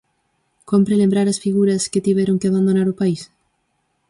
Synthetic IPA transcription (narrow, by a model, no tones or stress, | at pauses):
kompɾelẽmbɾaɾɐsfiɣuɾɐsket̪iβɛɾoŋkɪaβ̞and̪onaɾʊpais